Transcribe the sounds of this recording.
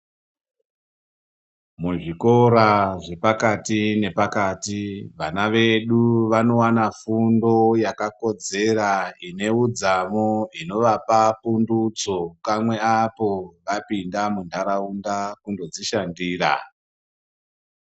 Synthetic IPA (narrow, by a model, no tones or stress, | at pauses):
muʐiko̞ɾaʐe̞pakatine̞pakaːtiʋanaʋe̞ɗuʋano̞wanafundo̞jakako̞d͡ze̞raine̞ud͡zamoino̞ʋapapundut͡so̞kamwe̞apo̞ʋapindamundʱaɾaundakundo̞d͡ziʃandiːra̰